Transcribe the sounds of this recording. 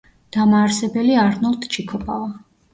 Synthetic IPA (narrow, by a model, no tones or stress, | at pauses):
d̪̥amaːɾsɛbɛliaɾnɔlˠt̪ʰt͡ʃʰikʰɔpʰʼava